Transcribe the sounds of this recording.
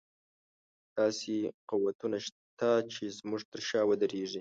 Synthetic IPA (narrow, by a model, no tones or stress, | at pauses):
d̪̥ɑsequwat̪unaʃ | t̪at͡ʃezmuʐt̪əɾʃɑwəd̪əɾeʐi